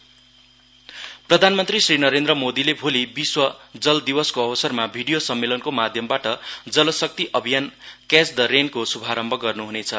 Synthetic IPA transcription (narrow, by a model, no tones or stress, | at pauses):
prʌd̪ʱanmʌnt̪risrinʌɾend̪ɾʌmod̪ilebʱolibiswʌd͡zʌld̪ibʌskoʌbʌsʌrmabʱiɽijosʌmːelʌnkomad̪ʱjʌmbaʈʌd͡zʌlʌsʌk̚t̪iʔʌbʱijankesd̪ʌɾenkosubʱaɾʌmbʱʌɡʌrnuɦunet͡sʰʌ